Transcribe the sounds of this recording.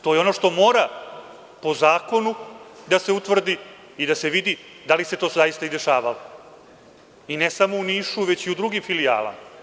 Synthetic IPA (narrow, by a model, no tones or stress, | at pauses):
t̪ojeo̞no̞ʂt̪o̞moːɾa | po̞zaːko̞nud̪ase̞ut̪ʋr̩d̪i | id̪ase̞ʋid̪i | d̪alise̞t̪o̞ːzajist̪aid̪e̞ʃaːʋalo | inesamo̞uniːʃuʋe̞t͡ɕiud̪ɾuɡimfilija̰ːla̰ma